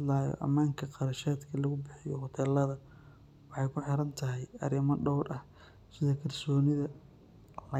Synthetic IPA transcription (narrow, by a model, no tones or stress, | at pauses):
laːjɔ̰ʔɐ̰maːŋkʰɐqɑɾɐʃaːd̪kʰɐlɐɣʊbɪħɪjɔɦɔt̪ʰɛːlːɐðɐ | wɑħɑjkʰʊħɪɾɐnt̪ʰɐɦɛjɐ̰ɾɪmɐɖɔwɾɐh | sɪðɐkʰɐrsɔːnɪðɐ | lɐ